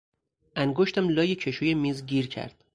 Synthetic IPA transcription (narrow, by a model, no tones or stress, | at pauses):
ʔæŋɡoʃt̪æmlɒːjecʰeʃuːjemiːzɟiːɾcʰæ̰ɾd̪̥